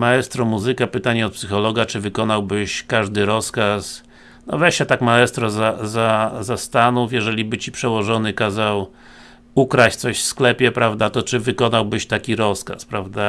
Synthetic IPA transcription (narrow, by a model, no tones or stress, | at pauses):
maɛst̪ɾɔmuzɘkapɘt̪aɲɛɔt̪̚psɘxɔlɔɡat͡ʂɘvɘkɔnawbɘɕkaʐd̪ɘɾɔskas | nɔ̰vɛʂɛt̪akmaɛst̪ɾɔzazazast̪anufjɛʐɛlʲibɘt͡ɕipʂɛwɔʐɔnɘkazaw | ukɾat͡ɕt̪sɔɕfsklɛpʲjɛpɾavd̪at̪ɔt͡ʂɘvɘkɔnawbɘɕt̪akʲiɾɔska̰spɾavd̪a